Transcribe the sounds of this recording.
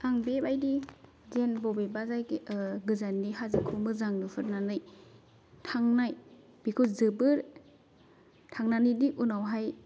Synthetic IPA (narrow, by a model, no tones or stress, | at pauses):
aŋbebajdi | zenbɔbebazajɡɯzanːiɦazɯkʰumɯzaŋnɯpʰɯɾnanɯj | tʰaŋnaj | b̥ikʰɯzɯbɯɾ | tʰaŋnanɯdiʔunawɦaj